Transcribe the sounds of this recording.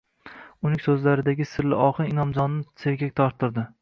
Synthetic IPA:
ʊnɪŋsɵzlaɾɪd̪aɡʲɪsɪɾlɪ̰ɒqɨɪnɒmd͡ʒɒnːɪsʰeɾɡʲak̚ʲt̪ʰɒɾt̪ɪɾd̪ɪ

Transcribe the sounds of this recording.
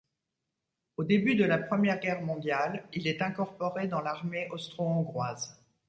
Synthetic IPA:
od̪ebyd̪əlapχəmjɛʁɡʲɛʁmɔ̃d̪jalilɛt̪ɛ̃kɔʁpɔʁed̪ɑ̃laʁmeʔɔst̪χoɔ̃ɡʁwaz

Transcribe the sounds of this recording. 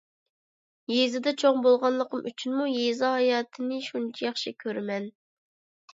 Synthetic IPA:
jezɪd̪ɛt͡ʃʰoŋbolˠʁɑnlˠəqəmʔyt͡ʃʰynmujezɑhɑjɑːt̪ʰɨnɪʃunt͡ʃʰijɑχʃikʲʰøɾmɛn

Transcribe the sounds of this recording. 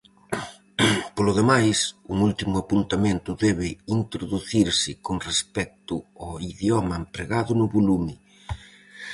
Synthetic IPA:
polʊðemajsuŋult̪imʊapunt̪amẽnt̪ʊðɛβɪint̪ɾoðuθiɾsɪkoŋrespɛk̚t̪ʊɔiðjɔmɐempɾeɣaðʊnʊβolumɪ

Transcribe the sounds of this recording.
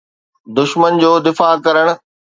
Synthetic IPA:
d̪ʊʃmənd͡ʑoːd̪ɪfaːkɐɾəɽ̃ʊ̆

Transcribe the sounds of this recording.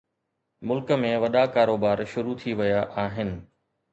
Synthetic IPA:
mʊlkə̆mẽʋɐɗakaːɾoːbaːɾʃʊɾut̪ʰiʋɐjaʔaːɦɪnɪ̆

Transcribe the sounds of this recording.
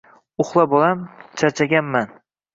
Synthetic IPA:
ʊχlˠabɒlamt͡ʃʰaɾt͡ʃʰaɡʲanman

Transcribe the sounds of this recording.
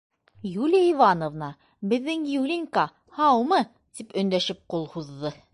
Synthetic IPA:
julʲiivɑnŏvnɑ | bɘ̆ðːɘŋjulʲiŋkɑ | hɑwmɤ | t̪ipɵ̆nd̪æʃɘp̚qulˠhuðːɤ

